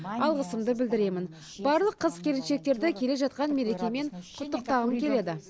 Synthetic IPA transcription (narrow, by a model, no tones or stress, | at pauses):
ɑlˠʁəsəmd̪əbɪld̪ɪɾe̞mɪn | bɑɾlˠəqʰːəzkʲʰe̞ɾɪnʃe̞k̚t̪e̞ɾd̪ɪkʲʰe̞le̞ʒɑt̪̚qɑnme̞ɾe̞kʲe̞me̞ɴqʰʊt̪ːəq̚t̪ɑʁəmkʲʰe̞le̞d̪ɪ